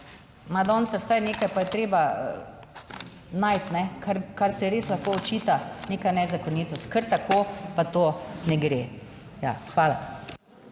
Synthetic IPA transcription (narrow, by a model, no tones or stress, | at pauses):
mad̪ɔːnt̪sɛwsajneːkajpajɛt̪ɾeːba | naːjt̪nɛkʰaɾkaɾsɛɾeːslaxkoɔt͡ʃiːt̪aneːkanɛzakɔniːt̪ɔst̪̚kəɾt̪akʰoːpat̪oːnɛɡɾeː | ja̰xʋaːla̰